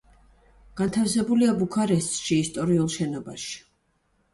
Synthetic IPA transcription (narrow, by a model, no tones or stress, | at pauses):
ɡ̥ant̪ʰafsɛbuliabukʰaɾɛst̪ʼʃiːst̪ʼɔɾiulˠʃɛnɔbaʃi̥